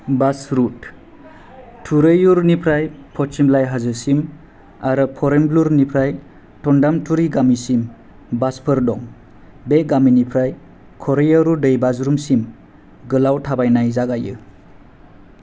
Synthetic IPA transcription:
basɾut | tʰuɾɯjuɾnipʰɾajpʰɔtsimlajɦazɯsim | aɾɯpʰɔɾembluɾnipʰɾaj | tʰɔndamtʰuɾiɡamisim | baspʰɯɾdɔŋ | beɡaminipʰɾaj | kʰɔɾejaɾudɯjbazɾumsim | ɡɯlawtʰabajnajzaɡajɯ̰

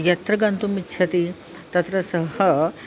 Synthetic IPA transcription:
jɐt̪ɾɐɡɐnt̪umitːt͡ʃʰɐt̪i | t̪ɐt̪ɾɐsɐɦə

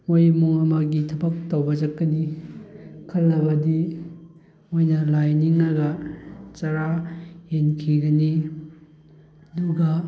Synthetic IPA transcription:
mojmuŋɐmɐɡitʰɐbɐk̚tawbɐd͡ʒɐkːɐni | kʰɐlːɐbɐdi | ojnɐlajniŋɐɡɐt͡ʃaɾahenkʰiɡɐni | ɐduɡɐ

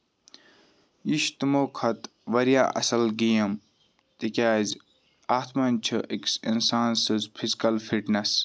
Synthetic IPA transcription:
iʃt̪moːkʰɐt̪ | ʋɐɾja̰ːʔɐ̰sɐlɡijɐm | t̪ikʲaːzʲ | aːt̪ʰmɐnʲt͡ʃʰɨʔeksinsaːnsɨzpʰizkɐlfʰiʈnɐs

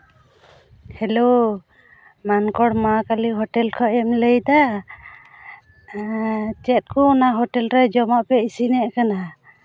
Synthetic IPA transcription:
hɛlo | mankɔɽmakaliɦɔʈɛlkʰɔʔɛmləjd̪a | t͡ʃɛt̪̚kɔːnaɦɔʈɛlɾɛd͡ʒɔmaʔpɛisinɛʔkana

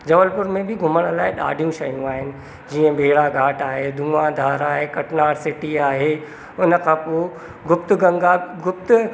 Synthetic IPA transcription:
d͡ʑɐʋəlpʊɾmẽbʱɪɡʱʊməɽ̃laːɪɗa̰ːɖʱijũʃɐɦijũaːɦɪnɪ̆ | d͡ʑiːə̃bʱeːɾaɡʱaːʈaːɦeːd̪ʱũːãd̪ʱaːɾaːɦekɐʈnaːɾsɪʈiaːɦeː | ʊnə̆kʰãːpo | ɡʱʊpt̪ʊɡɐ̃ŋɡaɡʊpt̪ʊ

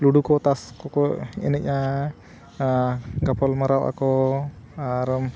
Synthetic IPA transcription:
luɖukɔt̪askɔkɔɛ̰nɛʔ̚ɲa | ɡapʰɔlmaɾawʔa̰kɔ | aɾəm

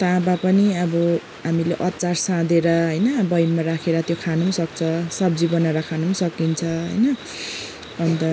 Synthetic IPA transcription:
t̪ãbapʌniʌbʌ | ɦamileʔʌtːt͡sarsãd̪eɾʌɦʌjnʌbʌjmaɾakʰeɾʌt̪jokʰanusʌk̚t͡sʰʌsʌb̚d͡zibʌnaɾʌkʰanusʌkint͡sʰʌɦʌ̰jnʌ | ʌnt̪ʌ

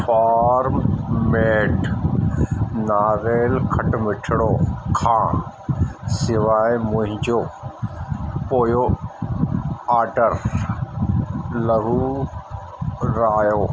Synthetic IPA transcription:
fʰaːɾmmeːʈ | naːɣeːlkʰɐʈmɪʈʰɪɽoːkʰãː | sɪʋaːjmʊ̃ɦɪ̃ɲd͡ʑoː | poːjoː | aːɾɖəɾ | lɐɡuː | ɾaːjoː

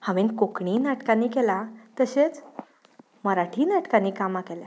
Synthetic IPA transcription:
hãʋenkokɳiːnaʈkãnːiːkelat̪əɕet͡s | məɾaʈʰiːnaʈkanːiːkamakelja

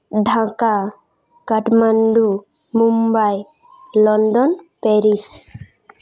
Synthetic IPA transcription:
ɖʱãka | kaʈmanɖu | mumbaj | lɔnɖɔnpeɾis

